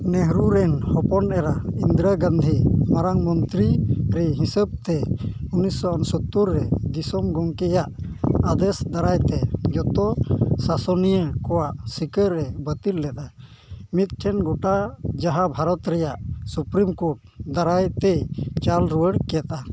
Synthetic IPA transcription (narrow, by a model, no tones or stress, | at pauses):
nɛɦɾuɾɛnhɔpɔnʔɛɾaind̪ɾaɡãnd̪ʱimaɾaŋmɔnt̪ɾiɾɛɦĩsəb̚t̪ɛunisɔʔɔnsɔt̪ːuɾːɛd̪isɔmɡɔŋkɛjaʔad̪ɛsd̪aɾajt̪ɛd͡ʒɔt̪ɔsasɔnijəkɔwaʔsikəɾːɛbət̪ilːɛt̪̚a | mit̪̚ʈʰɛnɡɔʈad͡ʒaɦabʱaɾɔt̪ɾɛjaʔsupɾimkoʈ̚ | d̪aɾajt̪ɛt͡ʃalɾuwəɽkɛt̪̚a